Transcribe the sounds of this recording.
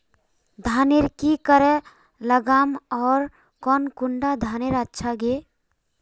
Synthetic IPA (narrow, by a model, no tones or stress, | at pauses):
d̪ʱaniɾkikəɾɛ | ləɡamɔːɾ | kɔnkuɳɖad̪ʱaniɾətːʃʰaɡe